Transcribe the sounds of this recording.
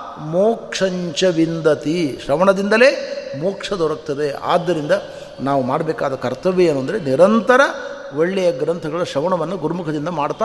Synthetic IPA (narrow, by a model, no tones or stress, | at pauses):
moːkʂɐɲt͡ʃɐʋind̪ɐt̪iʃɾɐʋɐɳɐd̪ind̪ɐle̞ːmoːkʂɐd̪ɔɾɐk̚t̪ɐd̪ea̰ːd̪ːɐɾind̪ɐ | naːʋumaːɽɐbɛːkaːd̪ɐkɐɾt̪ɐʋeeːnːuɐnd̪ɐɾeniɾɐnt̪ɐɾɐ | ʋoɭːɛjɐɡɾɐnt̪ʰɐɡɐɭɐʃɐʋɐɳɐʋɐnːɐɡuɾmukʰɐd̪ind̪ɐmaːɽt̪ːaː